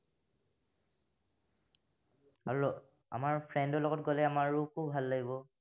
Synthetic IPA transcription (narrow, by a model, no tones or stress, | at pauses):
a | a̰maɹpʰɹɛndɔlɔɡɔtɡolɛamaɹːukʰubʱalːaɡibɔ